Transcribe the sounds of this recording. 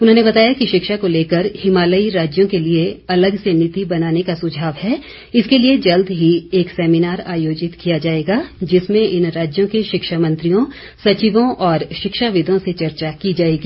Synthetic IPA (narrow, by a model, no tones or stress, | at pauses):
ʊnɦõnebɐt̪aːjakiʃɪkʃakoleːkəɾhɪmaːləiɾaːd͡ʒjõkelieɐləɡsenɪt̪ibɐnaːnekasʊd͡ʒʱaːʋɦɛ | ɪskelied͡ʒɐld̪ɦieːksɛːminaːɾa̰ːjoːd͡ʒɪt̪kijad͡ʒaːeːɡad͡ʒɪsmẽɪnɾaːd͡ʒjõkeʃɪkʃamɐ̃nt̪ɾijõ | sɐt͡ʃiʋõʔɔːɾʃɪkʃaʋɪd̪ʱõset͡ʃɐɾt͡ʃakid͡ʒaːeːɡiː